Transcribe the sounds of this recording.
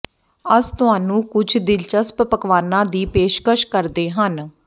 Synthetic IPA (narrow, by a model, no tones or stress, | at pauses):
əst̪ʊɦaːnũːkʊd͡ʒʰʱd̪ɪlt͡ʃəsppəkʋaːnãːd̪iːpeːʃkəʃkəɾd̪eːɦən